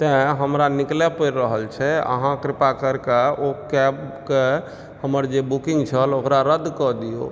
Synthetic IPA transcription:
t̪ɛ̃ɦəmɾaniklɛpəɾɾəɦəlt͡ʃʰɛə̰ɦãkɾɪpakəɾkaokɛbke | həməɾd͡ʒebukĩŋɡt͡ʃʰəlokɾaɾəd̪ʱkɔd̪ijo̰

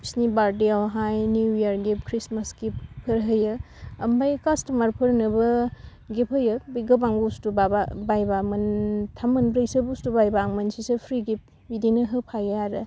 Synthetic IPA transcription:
snibaɾdiawɦajnijaɾɡep̚kʰɾismasɡippʰɯɾɦəjɐ | ɐmbajkastɐmaɾpʰɯɾnɐbɐ | ɡepʰəjɐbiɡɐbaŋɡustubababajbamɐntʰamɐnbɾjsɐbustubajbaŋmɐnsisepʰɾiɡip̚ | bidinɐɦɯpʰajaaɾɯ

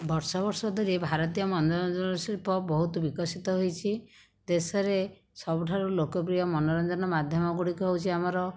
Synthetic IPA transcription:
bɔɾsɔbɔɾsɔd̪ʱɔɾebʱaɾɔt̪ijɔmɔndɔɾɔnd͡ʒɔnɔsiɾpɔbɔɦut̪ubikɔsit̪ɔɦojt͡ʃʰi | d̪esɔɾe | sɔbuʈʰaɾulokɔp̬ɾijɔmɔnɔɾɔnd͡ʒɔnɔmad̪ʱjɔmɔɡuɽikuɦewt͡ʃʰiamɔɾɔ

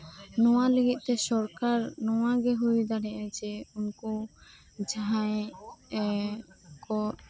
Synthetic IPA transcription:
nɔwaliɡit̪̚ˀt̪ɛsɔɾkaɾnɔwaɡeɦojd̪aɾɛʔad͡ʒɛunkɔ | d͡ʒaae | kɔt

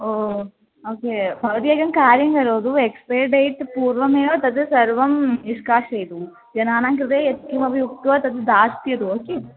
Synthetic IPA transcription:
oː | oːkeːbɐʋɐt̪ijɐːɡɐmkaːɾjɐŋɡɐɾoːd̪uekspeːɾɖɐjʈpuːɾʋɐmeːjoːt̪ɐd̪ɨsɐɾʋɐmiʂkaːʂɐjt̪u | d͡ʒɐnaːnaːŋkɾid̪eːet̪kimɐbʱɐjuk̚t̪uʋɐt̪ɐd̪ɨd̪aːst̪ijɐd̪uoːkeː

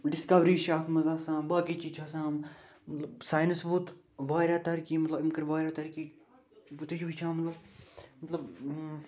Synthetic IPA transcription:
ɖɪskɐʋɾiːʃaːt̪ʰmɐzaːsãːbaːkiːt͡ʃiːt͡ʃʰaːsãːm | mɐt̪lɐbsaːjnɪsʋut̪ | ʋaːɾʲaːt̪ɐɾkiːmɐt̪lɐbɪmkəɾʋaːɾʲjaːt̪ɐɾkiː | ʋut̪et͡ʃʰʋit͡ʃʰãːmɐt̪lɐbmɐt̪lɐb

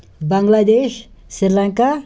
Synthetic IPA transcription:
baŋɡlad̪ɛʃ | siɾlaŋka

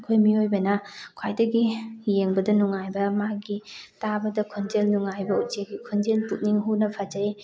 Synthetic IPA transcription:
kʰojmiojbɐnɐkʰwajdɐɡijeŋbɐdɐnuŋajbɐmaɡitabɐdɐkʰond͡ʒelnuŋajbɐutd͡ʒeɡikʰond͡ʒeltut̚niŋɦunɐpʰad͡ʒaj

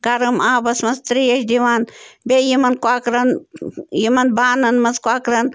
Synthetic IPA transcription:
ɡɐɾɨmaːbɐsmɐst̪ɾijɐʃd̪iʋaːnbeːjimɐnkwaːkɾɐnjimɐnbaːnɐnmɐzkwaːkɾɐn

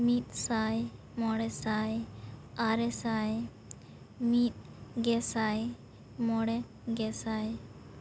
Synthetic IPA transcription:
mit̪̚saj | mɔɽɛsaj | aɾɛsaj | mit̪̚ | ɡɛsaj | mɔɽɛ | ɡɛsaj

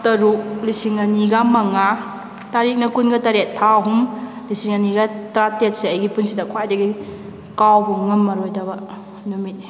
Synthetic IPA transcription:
tɐɾuk̚lisiŋɐniɡɐmɐŋa | taɾik̚nɐkunɡɐtaɾet̚pʰaɦum | lisiŋɐniɡɐtɾatet̚seɐjɡipunsidɐkʰwajdɐɡi | kawbuŋɐmːɐɾojdɐbɐ | numitni

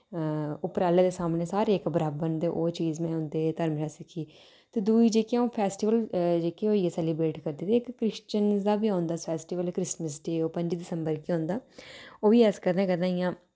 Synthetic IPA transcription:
ʊpɾaːleːd̪eːsaːmneːsaːɾeeːkbəɾaːbənd̪eːʔoːt͡ʃiːzmɛ̃ːʊ̃nd̪eːt̪əɾmʃaːsɪkʰiː | t̪eːd̪uːiːd͡ʒeːkiãõːpʰɛːsʈiːʋəld͡ʒeːkioːiesɛːliːbɾeːʈkəɾd̪eːt̪eːɪkːɾɪʃt͡ʃənzd̪aːbiːãːʊnd̪aːspʰɛːsʈiːʋəlkɾɪsməsɖeːoːpə̃ɲd͡ʒːd̪ɪsəmbəɾkiːɦõːnd̪aːoːʋiːɛːskəɾd̪ãːkəd̪ãːijãː

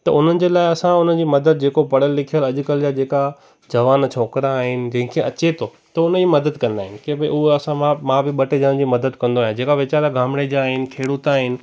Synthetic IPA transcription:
t̪ɐʔʊn̤ənɪ̆d͡ʑeːlaːɪɐsãʊnəd͡ʑiːmɐd̪əd̪̚d͡ʑeːkopɐɽəlːɪkʰijəlɐʄʊkəld͡ʑaːd͡ʑeːka | d͡ʑɐʋaːnt͡ɕʰoːkɾaːɦɪnɪ̆d͡ʑɐ̃ɦɪ̃kʰeɐt͡ɕet̪ʰo | t̪ɐʊnəd͡ʑiːmɐd̪əd̪kɐ̃nd̪aːɦɪnɪ̆kẽbeʔʊɦɐsãmãmãbɪɓɐʈed͡ʑəɽə̃nd͡ʑiːmɐd̪əd̪kɐ̃nd̪oaːjãd͡ʑeːkaʋɪt͡ɕaːɾaɡʱaːmɽ̃ed͡ʑaːɦɪnɪ̆kʰeːɽut̪aːɦɪnɪ̆

